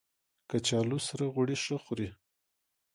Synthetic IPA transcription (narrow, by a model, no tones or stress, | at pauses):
kat͡ʃɑlusaɾaɣʊɽiʂəxʊɾi